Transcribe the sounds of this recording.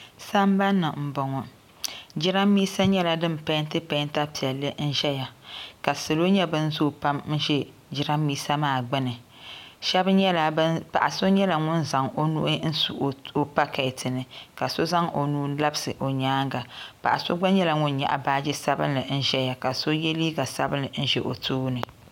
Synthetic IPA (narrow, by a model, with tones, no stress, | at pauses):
sa˦mba˦nːɨ˨m̩˨bɔ˨ŋɔ˨ | d͡ʒɪ˦ɾa˦mːi˦sa˦ɲɛ˦la˨dɨ˦m˨pa˦n˦tɨ˦pa˦nta˦pi˨ɛ˨lːɨ˦n̩˦ʒɛ˦ja˨ka˨sɨ˨lo˦ɲɛ˦bɨ˦n˦zo˦˨pa˦m̩˦ʒɛ˦ | d͡ʒɪ˦ɾa˦mːiː˦sa˦maː˦˨ɡ͡bɪ˦nɨ˨ | ʃɛ˦bɲɛ˦la˨˦pa˨ʔa̰˨so˦ɲɛ˦la˨ŋʊ˦nza˨ŋo˦nṵ˦ʔi˦n̩˦su˨ʔo˦pa˦ka˨ɪ˨tʰɨ˨nɨ˨ka˨so˦za˦ŋo˨nuː˦la˦bsɨ˨ʔo˨ɲaː˦ŋɡa˨pa̰˨ʔa̰˨so˦ɡ͡ba˦ɲɛ˦la˨ŋʊ˦nɲa̰˨ʔa̰˨baː˦d͡ʒɪ˦sa˦bɨ̰˦nːɨ˨n̩˦ʒɛ˦ja˨ka˨so˦jɛ˦li˦ɡa˨sa˦bɨ˦nɨ˨n̩˦ʒɛ˨ʔo˨tʰoː˦nɨ˨